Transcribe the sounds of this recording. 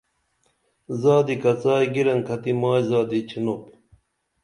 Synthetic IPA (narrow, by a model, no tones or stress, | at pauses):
zaːd̪ikɐt͡saːjɡiɾɐŋkʰɐt̪imaːjzaːd̪it͡ɕʰinop